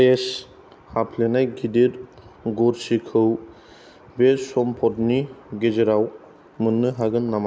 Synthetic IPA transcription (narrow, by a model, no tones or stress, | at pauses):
es | hapʰlenajɡidiɾ | ɡɔɾsikʰɯw | besɔmpʰɔtniɡezeɾaw | mɯnːɯɦaɡɯnːama